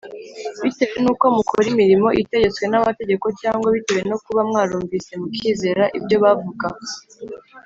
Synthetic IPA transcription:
βite̞we̞nuːko̞mukʰoɾimiɾimo̞ʔite̞ɟe̞t͡swe̞namate̞ɟe̞ko̞caːŋɡwaβiteβeno̞kuβamŋaːɾuːɱvise̞mukʰiːze̞ɾaʔibɟo̞βavuɡa

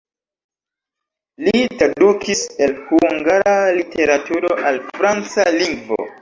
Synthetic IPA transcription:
litɾadukʰise̞lhuŋɡaɾalitʰe̞ɾatuɾoʔalfɾant͡saliŋɡvo̰

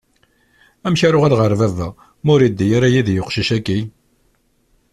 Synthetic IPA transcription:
æmçaɾʊʁælʁəɾvævæ | mʊɾid̪ːijaɾæjiðjoqʃiʃækːi

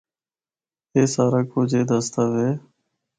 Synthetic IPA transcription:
eːsaːɾaːkoːd͡ʒeːd̪əst̪aːʋeː

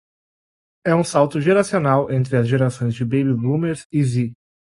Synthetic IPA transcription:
ɛũsawt̪ʊʒeɾasionawẽnt̪ɾɪɐzʒeɾasõj̃zd͡ʒɪbejbiblũmeɾzizi

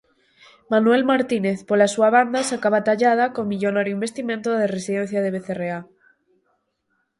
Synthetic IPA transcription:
manuwe̞lmaɾt̪ineθpolasuaβ̞and̪asakaβat̪aʎaðakonmiʎonaɾjuĩmbe̞st̪imẽnt̪oðeresiðen̟θjaðeβeθerea

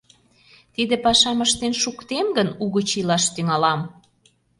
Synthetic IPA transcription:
t̪id̪ĕpɑʃɑməʃt̪enʃukt̪emɡənuɣət͡ɕilɑʃt̪yŋɑlɑm

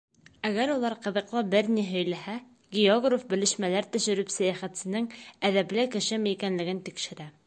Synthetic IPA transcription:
æɡæɾulˠɑɾqɤ̆ðɤ̆qlˠɑbɘɾniɦɵ̆jlæhæ | ɡʲeoɡrofbɘ̆lɘ̆ʃmælæɾt̪ɵ̆ʃɘ̆ɾɵpsæjæχæt̪sɘ̆nɘŋæðæplɘkɘ̆ʃɘmɘikænlɘ̆ɡɘnt̪ikʃɘ̆ɾæ

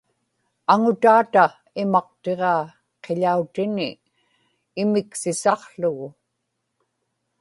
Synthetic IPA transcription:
aŋʊt̪aːt̪a | ɪmɑq̚t̪e̞ʁɑː | qʰe̞ʎaut̪ɪnɪː | mɪksɪsɑqɬʊɣʊ

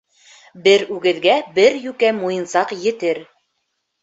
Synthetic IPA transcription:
bɘɾʉɡɘ̆ðɡæbɘɾjʉkæmujɤ̆nsɑqjɘ̆t̪ɘɾ

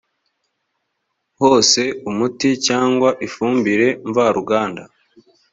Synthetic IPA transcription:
ho̞ːse̞umuticaːŋɡwaʔifuːmbiɾe̞ɱvaɾuɡaːnda

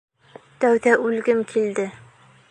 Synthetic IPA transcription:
t̪æwðæʔʉlɡʲɘmkʲʰild̪ɪ

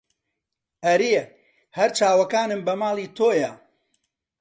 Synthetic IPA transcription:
ʔɐɾe | hɐɾt͡ʃaːwɐkaːnɨmbɐmaːlˠiːt̪ʰoːjɐ

